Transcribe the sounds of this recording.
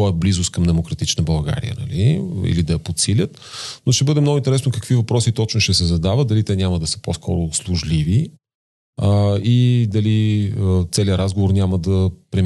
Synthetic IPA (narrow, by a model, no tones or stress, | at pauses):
ɔɛblizʊst̪kɐmd̪ɛmokɾɐt̪it͡ʃnəbɐlˠɡa̰ɾḭjə̰nɐ̰liḭlid̪ɐɛɐpot̪silʲət̪ | noʃt̪ɛbɤd̪ɛmnɔɡʊint̪ɛɾɛsnokəkv̥ivɐpɾɔsit̪ɔt͡ʃnoʃt̪ɛsɛzɐd̪avət̪̚d̪ɐlit̪ɛnʲaməd̪ɐsə̥poskʰɔɾʊslˠʊʒlivi | id̪ɐliət̪sɛliəɾazɡovoɾnʲaməd̪ɐpɾɛm